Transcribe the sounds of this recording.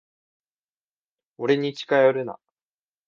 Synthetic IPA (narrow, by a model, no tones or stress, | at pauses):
oɾe̞ɲ̟it͡ɕi̥kajoɾɯ̟na̰